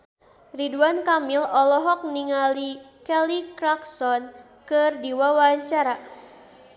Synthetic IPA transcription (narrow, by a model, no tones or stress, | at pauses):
riduankamilɔlɔɦɔk̚niŋalikɛlikɾaksɔn | kɨrdiwawaaɲt͡ʃaɾa